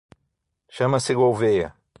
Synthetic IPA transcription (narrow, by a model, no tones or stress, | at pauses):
ʃɐ̃mɐsɪɡowvejɐ̰